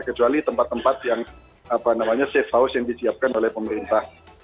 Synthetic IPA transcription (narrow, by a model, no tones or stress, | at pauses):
kət͡ʃualit̪əmpat̪ːəmpat̪̚jaŋ | apanamaɲasefaʊsjaŋdisiap̚kanolɛhpəməɾint̪ah